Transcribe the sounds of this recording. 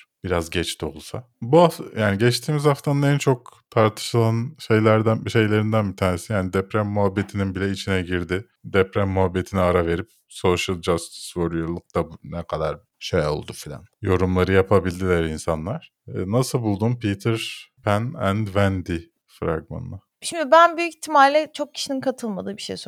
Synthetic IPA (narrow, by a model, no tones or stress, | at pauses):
b̥iɾazɟɛt͡ʃt̪ʰio̞lˠsa | buajaːniɟɛt͡ʃt̪ʰiːmizhaft̪ʰanɯnɛnt͡ʃʰo̞k̚t̪ʰaɾt̪ʰɯ̥ʃɯlˠanʃe̞jlʲæɾd̪ænʃe̞jlʲe̞ɾind̪ænbit̪ʰaːnesijaːnid̪ɛpɾæmːuɦabːe̞t̪ʰininbilʲɛit͡ʃʰinɛɟiɾd̪ɪ | d̪ɛpɾæmːuɦabːe̞t̪ʰiniaɾave̞ɾip̚ | soʃɯlˠd͡ʒast̪svoɾujolˠuk̚d̪abunɛkʰad̪aɾ | ʃejo̞̰lˠd̪ufilʲa̰njo̞ɾumlˠaɾɯjapʰabilʲd̪ilʲæɾinsanlˠaɾ̥ː | nasɯlˠbulˠd̪umpit̪ʰɯɾpʰænænd̪vænd̪i | fɾa̰ɡma̰na | ʃimd̪ibænbyjycit̪ʰːimalʲlʲɛt͡ʃʰo̞k̚cʰi̥ʃininkʰat̪ʰɯlˠmad̪ɯːbiʃḛjs